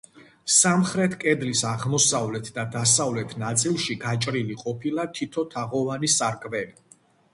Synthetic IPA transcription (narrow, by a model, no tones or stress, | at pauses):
samχɾɛt̪ʰkʼɛd̪lisaʁmɔsavlɛt̪ʰd̪ad̪asavlɛt̪ʰnat̪sʼilˠʃiɡat͡ʃʼɾiliqʼɔpʰilˠat̪ʰit̪ʰɔt̪ʰaʁɔvanisaɾkʼbɛli